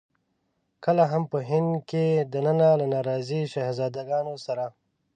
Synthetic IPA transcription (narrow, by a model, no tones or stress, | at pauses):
kəlaɦampəɦɪnd̪ked̪anənalanɑɾɑːziʃaɦzɑːd̪aɡɑnosaɾa